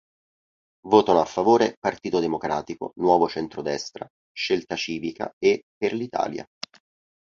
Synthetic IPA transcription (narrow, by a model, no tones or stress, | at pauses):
voːt̪anoafːavoːɾepart̪iːt̪od̪emokɾaːt̪iko̰nwɔːvot͡ʃɛnt̪ɾod̪ɛst̪ɾa̰ | ʃːelt̪at͡ʃiːvika̰epːerlit̪a̰ːlja̰